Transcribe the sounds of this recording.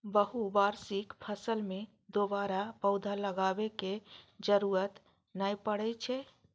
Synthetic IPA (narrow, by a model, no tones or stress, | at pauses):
bəɦubaːɾsɪkpʰəsəlmẽ | d̪obaɾapəʊd̪ʱaləɡaːbeked͡ʒəɾuːɾət̪ | naipəɽɛt͡ʃʰɛ